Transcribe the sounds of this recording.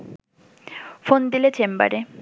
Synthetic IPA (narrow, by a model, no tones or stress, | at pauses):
fond̪ilet͡ɕʰemba̰ɾe